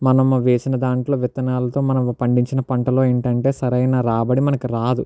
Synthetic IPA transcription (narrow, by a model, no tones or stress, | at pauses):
mɐnɐmʋeːsinɐd̪aːɳʈlo̞ːʋit̪ɐnaːlɐt̪o̞ːmɐnɐmpɐɳɖiɲt͡ʃinɐpɐɳʈɐlo̞ːeːɳʈɐɳʈe̞ːsɐɾɐjnaːɾaːbɐɽimɐnɐkiɾaːd̪u